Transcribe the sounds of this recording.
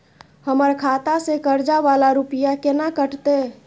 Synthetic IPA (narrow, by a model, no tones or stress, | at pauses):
həməɾkʰat̪asekəɾd͡ʒaʋalaɾupijakenakəʈt̪e